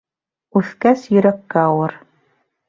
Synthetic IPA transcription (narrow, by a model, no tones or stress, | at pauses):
ʉθkæsjɵ̆ɾækːæɑwɤɾ